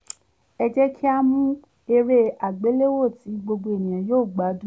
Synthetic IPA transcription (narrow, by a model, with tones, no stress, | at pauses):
ɛ˧d͡ʒɛ˦kʰi˦a˦mũ˦ | e˧ɾe˧a˨ɡ͡be˨˦le˦wo˦˨ti˨˦ɡ͡bo˧ɡ͡bo˧e˨nĩ˨j̃ã˨joː˦˨ɡ͡ba˨˦dũ˦